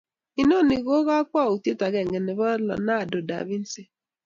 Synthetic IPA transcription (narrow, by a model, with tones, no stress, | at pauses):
i˨no˦˨ni˨ɣo˦ɣɔ˦a˦kʷɔ˦˨u˨te˦ta˨ɡe˨ŋɡe˨ne˨bɔ˦lɔ̰˨na˦a˨do˨da̰˨bi˦n̩˦se˦